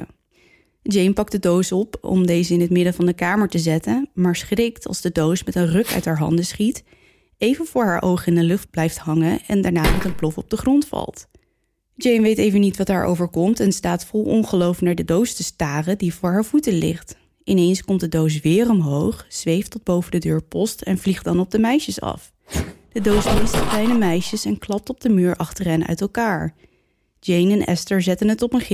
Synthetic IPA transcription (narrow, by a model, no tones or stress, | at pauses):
d͡ʒejmpɑk̚dədowsɔpɔ̰mdejzəɪnɦətmɪdəvɑndəkaːməɹtəzɛtənmaːɹsχrɪktʰɑ̰lˠzdədowsmɛtənrɵkœ̰ɥtɦaːɹɦɑ̰ndəsχit | ejvənv̥ʊːɹɦaːɹʔowχɪndəlɵχd̚b̥lɛjftɦɑŋəɛ̰ndaːɹnaːmɛtənplɔfɔb̚dəχrɔntfɑ̰lˠt | d͡ʒejnʋejtejvənitʋɑtɦaːɹʔo̰wvəɹkɔmtɛnstaːtfɔlˠɔ̰nχəlowfnaːɹdədowstəstaːrədivʊːɹɦaːɹv̥utəlɪ̰χt | ʔɪnejnskɔmt̚dədows̬ʋɪːrɔmɦowχz̥ʋejftɔd̚bowvədədøːɹpɔstɛnvliχdɑnɔb̚dəmɛjʃəsɑ̰f | d̥ədowsbɪnstəklɛjnəmɛjʃəsɛnklɑp̚tɔb̚dəmyːɹʔɑχtərɛnœ̰ɥtɛlˠkaːɹ | d͡ʒejnɛnʔɛ̰stəɹzɛtənətɔpənχɪ